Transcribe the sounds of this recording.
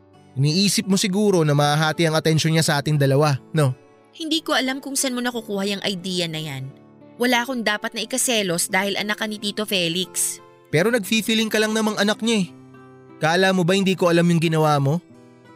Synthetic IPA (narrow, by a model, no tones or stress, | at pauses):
ʔɪniːʔiːsɪp̚mo̞sɪɡuːɾo̞nɐmɐʔaɦaːt̪iɐŋɐt̪ɛnʃoɲasɐʔaːt̪ɪŋd̪ɐlɐwano̞ | hɪnd̪iːko̞ʔɐlamkʊŋsɐnmo̞nɐkukuːhɐjɐŋʔɐjd̪iːjɐnɐjan | wɐlaːʔɐkoŋd̪aːpɐt̪̚nɐʔɪkɐsɛːlo̞sd̪aːhɪlʔɐ̰nakːɐnɪt̪iːt̪o̞fɛːlɪks | pɛːɾo̞nɐɡ̚fiːfilɪŋkɐlɐŋnɐmɐŋʔɐnɐk̚ɲaɛ | kaːɐlamo̞bɐhɪnd̪iːko̞ʔɐlamjʊŋɡɪnɐwaːmo̞